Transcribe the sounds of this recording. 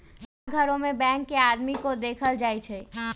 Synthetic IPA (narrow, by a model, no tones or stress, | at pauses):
saɡʱəɾõmebɛ̃ŋkːead̪mikod̪ekʰəld͡ʒajt͡ʃʰɛ